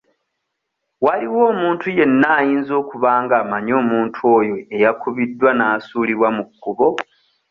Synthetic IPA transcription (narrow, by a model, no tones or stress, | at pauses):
waliwo̞ːmuːntuje̞nːaːjiːnzo̞ːkuβaːŋɡaːmaɲo̞ːmuːntʰuo̞ːjo̞e̞jakuβidːwanasuːliβwamuɡːuβo̞